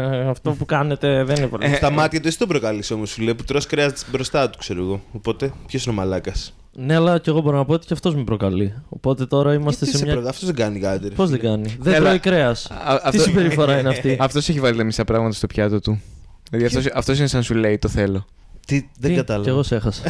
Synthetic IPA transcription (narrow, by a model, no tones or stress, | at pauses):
ɐft̪o̞pukɐne̞t̪e̞ðeninepɐ̰st̪ɐmɐt̪çɐt̪uesi̥t̪obɾokɐlisomosuleiput̪ɾoskɾeɐzbɾo̞st̪ɐt̪u̥kse̞ɾoɣo̞opo̞t̪e̞pçosinomɐlɐkɐs | ne̞ɐlɐce̞ɣo̞bo̞ɾonɐpoot̪i̥cɐft̪o̞zmepɾo̞kɐlio̞̰po̞t̪e̞t̪o̞ɾɐimɐst̪esemɲɐɐft̪ozðeɡɐnikɐt̪eɾpozðeɡɐniðet̪ɾoikɾe̞ɐsɐft̪isibe̞ɾifo̞ɾɐineɐfiɐft̪o̞seçivɐlit̪ɐmisɐpɾɐɣmɐt̪ɐst̪o̞pçɐt̪ot̪u | ilɐðiɐft̪osɐft̪o̞sinesɐnsule̞it̪oθe̞lo̞ | t̪iðeɡɐt̪ɐlɐeɣose̞xɐs